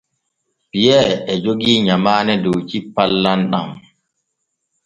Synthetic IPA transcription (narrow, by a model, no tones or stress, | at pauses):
pijɛɾɛd͡ʒoɡiːɲamaːnɛdowt͡ʃipːalːanɗa̰m